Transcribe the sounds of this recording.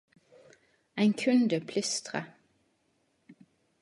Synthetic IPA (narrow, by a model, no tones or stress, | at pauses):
æɪŋkʰʉnd̪əpʰlʏst̪ʁə̰